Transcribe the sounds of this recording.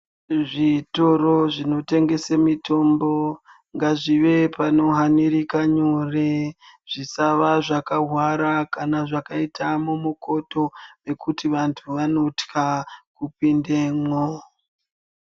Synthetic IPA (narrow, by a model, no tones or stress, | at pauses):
ʐitoro̞ʐino̞te̞ŋɡe̞semitʰo̞mbo | ŋɡaʐiʋe̞pano̞ɦaniɾikaɲore | ʐ̥isaʋaʐakaɦwaɾakanaʐakaitʰamumuko̞to̞ʋe̞kutiʋantʰuʋano̞tkakupindemo